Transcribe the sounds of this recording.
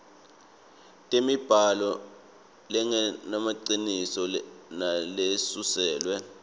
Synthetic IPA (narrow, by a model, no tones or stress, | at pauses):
tʼemib̥ʱalɔ | lɛŋnamaǀinisɔnalesusɛːlwɛ